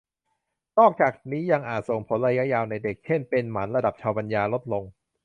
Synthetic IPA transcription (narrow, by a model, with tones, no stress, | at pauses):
nɔː˥˩k̚t͡ɕaː˨˩k̚niː˦˥ja˧ŋʔaː˨˩t̪̚so˨˩ŋpʰo˩˦nɾaː˧ja˦˥ʔjaː˧wna˧jde˨˩k̚t͡ɕʰe˥˩npe˧nmaː˩˦nɾa˧da˨˩p̚t͡ɕʰaː˧wpa˧njaː˧lo˦˥t̪̚lo˧ŋ